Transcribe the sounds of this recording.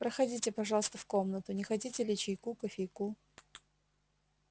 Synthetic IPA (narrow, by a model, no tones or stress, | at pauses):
pɾəxɐdʲitʲɪpɐʐɑlˠəst̪əfkomnət̪ʊnʲɪxɐtʲitʲɪlʲɪt͡ɕɪjkukəfʲejku